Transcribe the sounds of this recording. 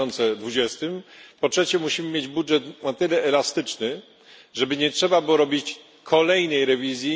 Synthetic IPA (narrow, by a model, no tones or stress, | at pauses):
ɔnt̪sɛd̪vud͡ʑɛst̪ɘmpɔtʂɛt͡ɕɛmuɕimɘmjed͡ʑbudʐɛt̪nat̪ɘlɛɛlast̪ɘt͡ʂnɘ | ʐɛbɘɲɛtʂɛbabɘwɔɾɔbʲit͡ɕ | kʰɔlɛjnɛjɾɛvʲizʲji